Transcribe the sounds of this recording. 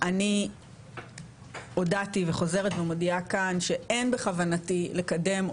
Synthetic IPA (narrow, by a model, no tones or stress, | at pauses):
ʔani | o̞dativeχo̞ze̞ʁetvemodiakanʃe̞ʔenbeχavanatile̞kade̞m